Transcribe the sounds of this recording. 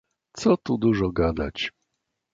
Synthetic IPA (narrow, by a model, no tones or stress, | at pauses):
t̪sɔt̪ud̪uʐɔɡad̪a̰t͡ɕ